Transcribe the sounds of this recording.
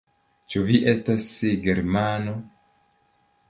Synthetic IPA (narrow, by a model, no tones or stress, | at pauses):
t͡ʃuviʔe̞stasiɡeɾmano